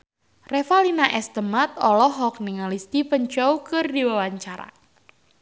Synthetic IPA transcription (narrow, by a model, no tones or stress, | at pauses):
refalinaʔɛst̪əmat̪̚ɔlɔɦɔk̚niŋalist̪ipəɲt͡ʃɔwkɨrdiwawaɲt͡ʃaɾa̰